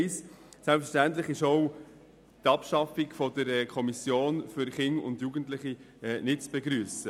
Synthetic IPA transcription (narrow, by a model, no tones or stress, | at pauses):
ɪs | sɛlpfəʃtæntlɪχɪʃoʊ | t̪ɑpʃɑfikfɔdəɾɛkʰɔmisjoːnfʏɾχɪnʊ̰ndjuɡəntlɪχi | ɛːnɪtt͡sb̥ɛɡɾyːəsə